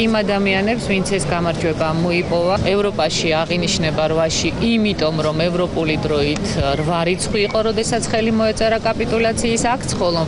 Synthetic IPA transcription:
imad̪amianɛpsvint̪sʰɛsɡamaɾd͡ʒwɛbamɔipʼɔvaɛvɾɔpʼaʃiaʁiniʃnɛbaɾvaʃiimit̪ʼɔmɾɔmɛvɾɔpʼulid̪ɾɔit̪ʰɾvaɾit̪sʰχwiːqʼɔɾɔd̪ɛsat̪sʰχɛlimɔɛt̪sʼɛɾakʼapʼit̪ʼulat̪sʰiːsak̚ʰt̪sʰχɔlˠɔ

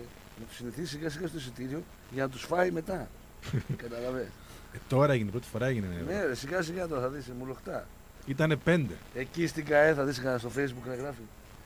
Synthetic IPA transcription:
nɐt̪u̥siniθiisiɣɐsiɣɐst̪os̬it̪iɾio̞ | ʝɐnɐt̪̬usfɐime̞t̪ɐ | kɐt̪ɐlɐves | t̪o̞ɾɐeʝinepɾo̞t̪i̥fo̞ɾɐeʝinenenesiɣɐs̬iɣɐt̪o̞ɾɐθɐðismulo̞xt̪ɐ | it̪ɐne̞pe̞nd̪e̞̰ecist̪iɡɐeθɐðiskɐst̪ofe̞jzbukneɣɾɐfi

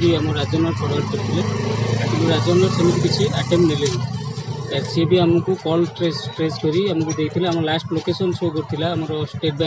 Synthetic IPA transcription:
biamɔɾːad͡ʒɔnaɾpʰɔɽɔɾkoɾt̪ʰilekint̪uɾad͡ʒɔmaɾsemit̪ikit͡ʃʰiʔaʈemnilel | k̪aɾsebiamukukɔlʈɾesʈɾeskɔɾiamukud̪et̪ʰileamɔɾlasʈlokesɔnʃokoɾt̪ʰilaːmɔɾɔsʈeʈ̚bɛ

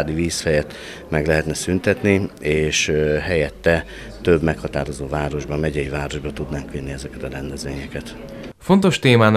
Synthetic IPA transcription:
d̪iviːsfɛjɛt̪ | mɛɡlɛɦɛt̪nɛsynt̪ɛt̪nieːʃɦɛjɛt̪ːɛ | t̪øbmɛkhɒt̪aːɾo̞zoːvaːɾo̞ʒbɒmɛɟɛjivaːɾo̞ʒbɒt̪ud̪naːŋkylniɛzɛkɛt̪ɒɾɛnd̪ɛzʋeːɲɛkɛt̪ | fo̞nt̪o̞ʃt̪eːmaːn

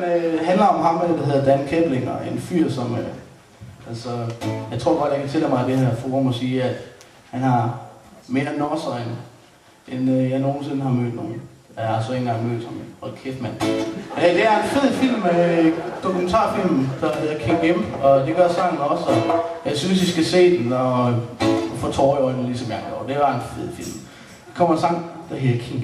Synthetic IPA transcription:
nøɦændlɐɒ̽mɦɑ̈meld̥æɦe̝ðˠɐd̥ænkʰeb̥leŋɒ̰enfy̰ɐ̰sɒmə | ʔælsɒjɑ̈ɪt͡sʰʁo̝ɐ̰ɡ̥ɒ̽d̥jäkʰæt͡sʰe̝lɛ̰mɑ̈ɪd̥ehæɐfoːʁɐmɒsiːæd̥ | hænhɑ̈ | me̝ːɐnɒsɐen | ʔenøjɑ̈ɪno̝ːn̩se̝nəɦɑ̈mø̰ːd̥no̝ːn̩ | jɑhɑ̈sɒ̽e̝ŋnɡɑ̈ŋmø̰ːd̥hɑmenɒkʰefmæn̰ | d̥e̝æɐe̝nfe̝ð̰ˠfil̰m | d̥o̝kʰument͡sʰɑ̰̈ːfil̰mm̩d̥ɑɦe̝ðˠɐkʰeŋɡ̥emɒ̽d̥e̝ɡ̥ɶɐsɑ̈ŋ̰n̩ɒ̽sɒjɑ̈ɪsynsisɡ̥æse̝̰ːd̥enɒ | fɒt͡sʰɒːɒenlisɒmjɑŋjɒ̰ːd̥e̝bɑ̈enfe̝ð̰ˠfil̰m | kʰɒm̰ɐnsɑ̈ŋ̰d̥ɑɦe̝ðˠɐkʰeŋ

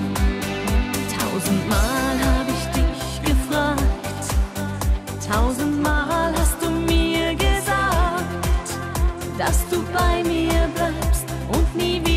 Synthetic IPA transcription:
tʰaʊzn̩tmaːlɦaːbəɪçd̥ɪç | ɡ̥əfʁ̥aːkt | tʰaʊzn̩tmaːlhast̚d̥uːmiːɐɡəzakt | d̥asd̥uːbaɪmiːɐblaɪpstʔʊntniːviː

